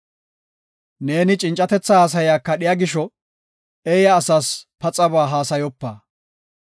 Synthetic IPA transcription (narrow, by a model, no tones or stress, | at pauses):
ne̞ːnɪt͡ʃʼɪnt͡ʃʼːɐt̪ɛt͡sːɐhaːs̬ɐjaːkːɐɗɪjɐɡɪʃɔ | ɛjɐːsaːspɐt͡sʼɐβaːɦaːsɐjɔpːaː